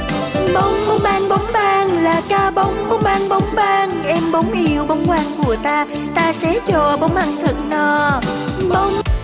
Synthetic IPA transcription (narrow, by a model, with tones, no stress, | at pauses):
ɓə˨˧˦wŋ͡mɓə˨˧˦wŋ͡mʔaː˧ŋɓa˨˦wŋ͡mɓaː˧ŋlaː˨˩kaː˧ɓə˨˦wŋ͡mɓə˨˦wŋ͡mɓaː˧ŋɓə˨˦wŋ͡mɓaː˧ŋʔɛ˧mɓə˨˦wŋ͡mli˨˩əwɓə˨˦wŋ͡mkwaː˧ŋku˧˩ət̪aː˧ | t̪aː˧sɛ˨˥t͡ɕɔ˧˨˩ɓə˨˦wŋ͡mʔaː˧ŋt̪ʰə˨˩k̚nɔ˨˩ | ɓə˧˦wŋ͡m